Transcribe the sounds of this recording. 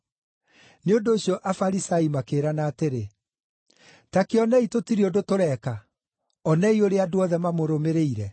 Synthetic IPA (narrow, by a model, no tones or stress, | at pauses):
neondoːɕjɔʔafaɾisaimakeːɾanaːteɾe | takeɔnɛitotiɾiodotoɾɛka | ɔnɛioɾeadoɔðɛmamoɾomeɾeiɾɛ